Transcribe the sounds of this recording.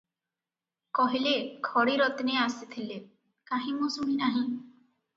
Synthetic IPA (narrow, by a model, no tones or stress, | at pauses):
kɔɦilekʰɔɽiɾɔt̪neasit̪ʰile | kaɦĩmusumĩnaɦĩ